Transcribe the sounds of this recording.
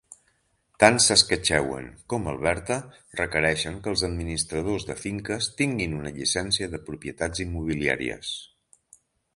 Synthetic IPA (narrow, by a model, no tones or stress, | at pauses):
t̪ansəskət͡ʃɛwə̰ŋkɔməlˠβ̞ɛɾt̪ərəkəɾɛʃəŋkəlˠzəd̪̚minist̪ɾəð̞ozðəfiŋkəst̪iŋɡinunəʎisɛnsiəðəpɾupiət̪ad͡zimːuβ̞ilia̰ɾḭə̰s